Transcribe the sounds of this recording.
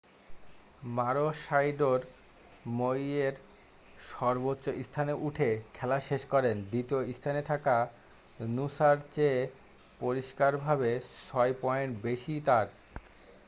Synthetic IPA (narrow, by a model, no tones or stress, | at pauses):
maɾoʃajɖoɾ | mojeɾ | ʃɔɾbotːɕːoʔist̪ʰaneʔuʈʰekʰɛlaʃeʃkɔɾend̪ɾit̪ioist̪ʰanet̪ʰaka | nusaɾt͡ɕe | poɾiʃkaɾbʱabesɔjpɔeɳbeʃit̪aɾ